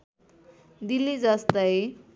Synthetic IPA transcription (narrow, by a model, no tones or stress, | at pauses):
d̪ilːid͡zʌst̪ʌj